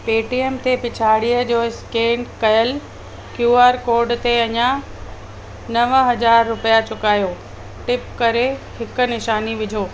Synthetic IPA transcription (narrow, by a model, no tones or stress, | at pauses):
peːʈiemt̪ʰepɪt͡ɕʰaːɽijəd͡ʑoːɪskeːɳkɐjəl | kjuːaːɾkoːɾɖt̪eɐɲã | nɐʋəɦɐd͡ʑaːɾːʊpijat͡ɕʊkaːjoː | ʈɪpkɐɾehɪknɪʃaːniʋɪd͡ʑʱoː